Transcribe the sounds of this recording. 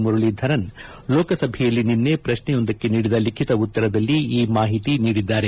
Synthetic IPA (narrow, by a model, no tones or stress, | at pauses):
muɾɐɭid̪ʱɐɾɐn | loːkɐsɐbʱɛjɐlːininːe̞pɾɐʃɳɛjond̪ɐkːe̞niːɽid̪ɐlikʰit̪ɐut̪ːɐɾɐd̪ɐlːiiːmaːɦit̪iniːɽid̪ːaːɾe̞